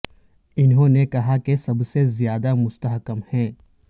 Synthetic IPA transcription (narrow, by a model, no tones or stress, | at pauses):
ɪnɦõnekɐɦakesɐbsezjaːd̪amʊst̪əɦkəmhɛ̃ː